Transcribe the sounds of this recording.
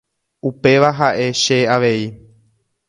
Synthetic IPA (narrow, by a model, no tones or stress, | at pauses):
upe̞ʋaɦaʔe̞ʃe̞aʋe̞i